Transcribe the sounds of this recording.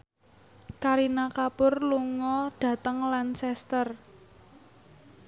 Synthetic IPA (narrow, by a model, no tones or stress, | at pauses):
kaɾinakapʊrluŋɔɖ̥a̤t̪əŋlansɛst̪ər